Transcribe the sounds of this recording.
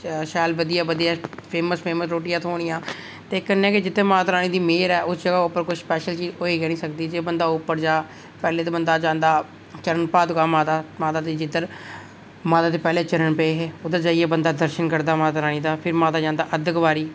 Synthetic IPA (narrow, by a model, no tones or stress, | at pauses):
ʃɛːlbəd̪ɪjaːbəd̪ijaːpʰeːməspʰeːməsɾoːʈijãːt̪ʰoːɽ̃ɪjãː | t̪eːkənːɛːkɪd͡ʒɪt̪ːəmaːt̪ɾaːñiːd̪iːmeːɾɛːʔʊsd͡ʒəɡaːʊpːəɾkʊspɛːʃəlt͡ʃiːzoːiːɡɛːnĩːsəkd̪iːd͡ʒeːbənd̪aːʊpːəɾd͡ʒaː | pɛːleːt̪eːbənd̪aːd͡ʒãːnd̪aː | t͡ʃəɾənpaːd̪kaːmaːt̪aːmaːt̪aːt̪eːd͡ʒɪd̪əɾ | maːt̪aːt̪̬eːpɛːleːt͡ʃəɾəɳpɛeːɦeːʊd̪əɾd͡ʒaːieːbənd̪aːd̪əɾʃənkəɾd̪aːmaːt̪ɾaːñiːd̪aːpʰɪɾmaːt̪aːd͡ʒãːnd̪aːʔəd̪əkʋaːɾiː